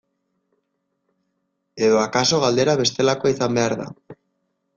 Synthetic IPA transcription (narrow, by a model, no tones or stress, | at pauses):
eðoakaso̞ɣ̞ald̪eɾaβe̞st̪elakoiθambeaɾða̰